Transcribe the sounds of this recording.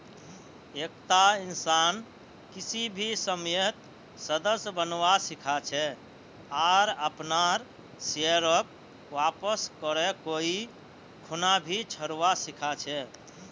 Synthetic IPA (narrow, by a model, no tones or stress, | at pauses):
ek̚t̪ainsan | kisibʱisəmjət̪ | səd̪əsbənʋasikʰat͡ʃʰɛ | aɾəpnaɾ | səɾəp̚ | ʋapəskəɾɛkoi | kʰunabʱit͡ʃʰəɾʋasikʰat͡ʃʰɛ